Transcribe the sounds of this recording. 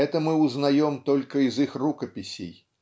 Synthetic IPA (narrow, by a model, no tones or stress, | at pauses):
ɛt̪ɐmɨwuznajɔmt̪ɔlʲkɐizixrukɐpʲisʲḛj